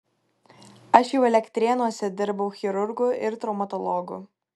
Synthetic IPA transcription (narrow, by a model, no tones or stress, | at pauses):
ɐʃjɛʊɛlʲɛkʲt̪ʲɾʲeːnuɔsʲɛd̪ʲɪɾbɐʊxʲɪɾʊɾɡʊʔɪɾt̪ɾɔʊmɐt̪ɔlˠɔːɡʊ̰